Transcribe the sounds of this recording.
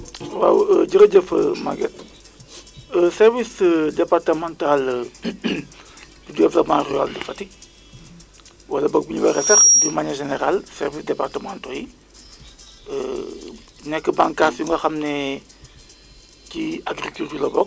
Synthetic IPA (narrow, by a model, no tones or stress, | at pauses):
wawəɟəɾɐɟəfəma̰ɡɛt | əsɛrvisdɛpartɐmãːntal | dudɛvlopmãrya̰ldifɐtik̚ | wɐlɐbɔk̚biɲubɐɾɛsɐɾdumaɲɐʒeneɾalsɛ̰rvisdɛpartəmãntɔji | ə | nɛkːəbaŋkaːsjuŋɡɐxɐmnɛ | ciaɡɾikyltulɐbɔk̚